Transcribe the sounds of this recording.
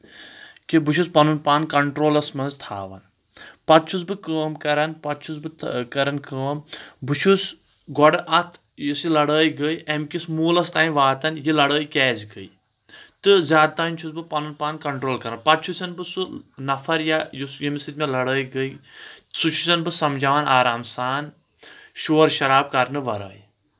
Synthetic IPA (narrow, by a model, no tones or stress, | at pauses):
kibuʃʰuspɐnunpaːnkɐɳʈɾoːlɐsmɐnzt̪ʰa̰ːʋɐ̰n | pɐt̪̚t͡ʃʰusbɨkəːmkɐɾɐnpɐt̪̚t͡ʃʰusbɨkɐɾɐnkəːmbɨt͡ʃʰus | ɡɔɽɨʔɐt̪ʰ | jusilɐɽəːiɡəiʔɐmkismuːlɐst̪aːĩʋaːt̪ɐnjilɐɽəːikɛːzɡəḭ | t̪ɨzʲjaːd̪̚t̪aːinʲt͡ʃʰusbɨpɐnɨnpaːnkɐɳʈɾoːlkɐɾɐnpɐt̪̚t͡ʃʰusʲɐnbɨsunɐfʰɐɾjajusjimisɨt̪ʲmelɐɽəːiɡəisut͡ʃʰusʲɐnbɨsɐmd͡ʒaːʋɐnaːɾaːmsaːn | ʃoːɾʃɐɾaːb̚kɐɾnɨʋɐɾə̰ːi